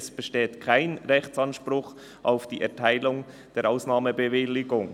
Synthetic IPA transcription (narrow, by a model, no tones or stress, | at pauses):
sb̥əʃteːtkʰaɪnʁɛxt͡sɑnʃpɾʊχ | ʔaʊfd̥iːʔɛɐtʰaɪlʊŋ | d̥eːɾʔaʊsnɑːməbəvɪlɪɡʊŋ